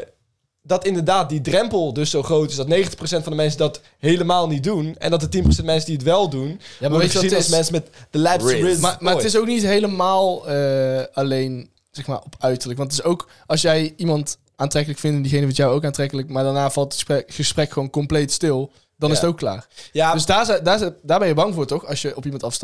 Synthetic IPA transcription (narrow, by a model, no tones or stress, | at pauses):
dɑtɪndəɹdaːt̚didrɛmpəlˠdɵsowχrowtɪsdɑtnejxəntə̥χpros̬ɛntfɑ̃ndəmɛnsədɑt | ɦejləmaːlˠnit̚dunɛ̰ndɑt̬ətinpro̥wsɛntmɛnsədiətʋɛlˠdunjamaejstˠsmɛnsmɛtdəlɛpmamaːtɪs̬owknitɦejləmaːlˠəalejn | z̥ɛxmaːɹɔpœɥtəɹləkʋɑntətɪsowk | ɑlˠsjɛjimɑnt | aːntrɛkələkfɪndəndiɣejnəʋitjawowkaːntrɛkələkmaːɹdaːnaːv̥ɑlˠtəspɛχəsprɛkχəʋonkɔmplejtstɪlˠ | dɑnɪsətowkːla̰ːrjadøsdaːdaːdaːɹbɛnjəbɑŋvʊːɹtɔxɑsjəʔɔpimɑntɑfst